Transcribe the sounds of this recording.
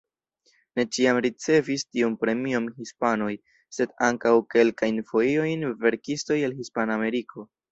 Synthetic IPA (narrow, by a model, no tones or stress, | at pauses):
ne̞t͡ʃiamɾit͡se̞vistiunpɾe̞miomhispano̞j | se̞daŋkawke̞lkajnfo̞io̞jnve̞ɾkisto̞jelhispanaːme̞ɾikʰo̞